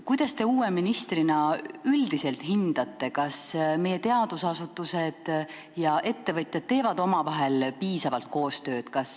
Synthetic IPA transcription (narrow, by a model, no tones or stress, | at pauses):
kujd̪̥ɑst̪e̞uːeminist̪rinɑyld̪̥ise̞lt̪ɦind̪̥ɑt̪ːe̞kɑsme̞jːe̞t̪e̞ɑd̪̥usɑsut̪ːˑuse̞d̪̥ | jɑʔe̞t̪ːe̞vɤt̪ʲˑjɑd̪̥̚t̪ːe̞ːvɑd̪o̞mɑvɑɦe̞lpiːsɑvɑlt̪̚ko̞ːst̪ø̞ːd̪̥kɑs